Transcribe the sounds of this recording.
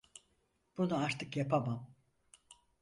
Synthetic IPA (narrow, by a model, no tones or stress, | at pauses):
b̥unuaɾt̪ʰɯkjapʰamam